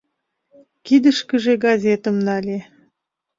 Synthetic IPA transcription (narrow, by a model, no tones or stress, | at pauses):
kid̪əʃkə̆ʒeɡɑzʲet̪ə̆mnɑlʲe